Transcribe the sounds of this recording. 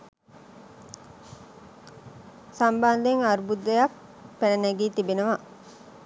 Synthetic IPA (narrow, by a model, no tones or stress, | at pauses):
sɐmband̪eŋaɾubud̪ːejɐk | penɐnæɡiːt̪ibenuʋa